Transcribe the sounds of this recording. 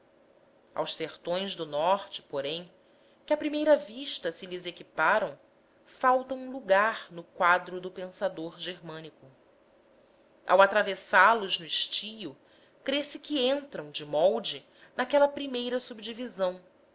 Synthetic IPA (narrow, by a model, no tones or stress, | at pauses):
a̰wʃseɾt̪õj̃zd̪ʊnɔχt͡ʃɪ̥poɾẽj̃ | kɪɐpɾimejɾɐviʃt̪ɐsɪlizekipaɾɐ̃w̃ | fawt̪ɐũluɡaɾnʊkwad̪ɾʊd̪ʊpẽsad̪oɾʒeɾmɐ̃nikʊ | a̰wat̪ɾavesalʊznʊiʃt͡ʃijʊ | kɾesɪkiẽnt̪ɾɐ̃w̃d͡ʒɪmɔwd͡ʒɪ | nakɛlɐpɾimejɾɐsubd͡ʒivizɐ̃w̃